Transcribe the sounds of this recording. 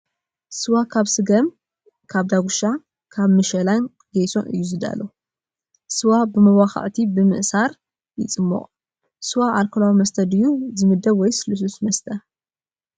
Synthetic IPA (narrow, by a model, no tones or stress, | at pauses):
sɨwakʰaβsɨɡɐm | kʰaβd̪aɡuʃa | kʰaβmɨʃɐlan | ɡejsonɨ̰jːuzɨd̪a̰lo | sɨwabɨmɐwaxɐ̰ʕt̪ʰibɨmɨ̰ʔsaɾ | jɪt͡sʼɨmːɐ̰qʼ | sɨwaʔalkʰolawimɐst̪ʰɐd̪ɨjːuzɨmɨd̪ːɐβwɔjsɨlɨs̬usmɐst̪ʰɐ